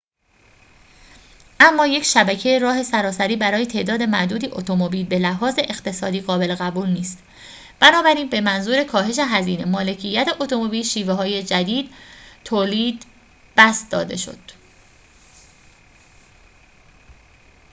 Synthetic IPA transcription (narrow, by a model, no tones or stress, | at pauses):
ʔæmːɒːje̞cʰʃæbæcʰe̞jeɾɒːɦe̞sæɾɒːsæɾiːbæɾɒːje̞t̪ʰeʔd̪ɒːd̪e̞mæʔd̪uːd̪iːʔot̪ʰo̞mobiːlbe̞læɦɒːze̞ʔext̪e̞sɒːd̪iːɣɒːbe̞leɣæbuːlniːst̪ | b̥ænɒːbæɾiːnbe̞mænzuːɾe̞kʰɒːɦe̞ʃ̬eɦæziːne̞mɒːle̞cʰijːæt̪ʰe̞ʔo̞t̪ʰo̞mo̞biːlʃiːveɦɒːje̞d͡ʒæd̪iːd̪̥t̪ʰoːliːd̪ | b̥æsd̪ɒ̰ːd̪e̞̰ʃo̞̰d̪̥